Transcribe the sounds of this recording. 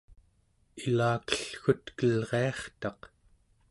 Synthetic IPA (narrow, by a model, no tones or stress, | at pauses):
ilaːkə̥ɬxut̪kəlʁeɑχt̪ɑq